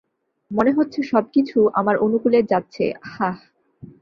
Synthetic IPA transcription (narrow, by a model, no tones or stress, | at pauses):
moneɦotːɕʰeʃɔb̚kit͡ɕʰuʔa̰maɾʔonukuleɾd͡ʑatːɕʰḛha